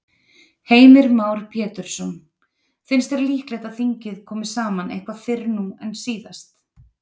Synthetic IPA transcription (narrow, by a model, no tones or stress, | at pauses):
heːjmɪɾmaːwɾpʰjɛːt̪ʏɾ̥sʏm | θɪnst̪ɛɾliːhklɛɣt̪aðθiɲcɪðkʰɔːmɪ̥saːmanḛhkvaðfɪɾnuɛnsiːðast̪